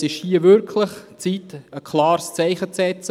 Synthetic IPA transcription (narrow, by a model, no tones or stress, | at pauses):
sɪʃhiːəvʏɾkʰlɪχt͡siːtəkʰlɑːɾst͡sæɪχət͡sɛt͡sə